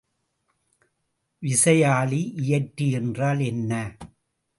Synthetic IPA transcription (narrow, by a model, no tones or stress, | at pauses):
ʋɪsɐjaːliʔɪjɐʈːiɛndraːlɛnːɐ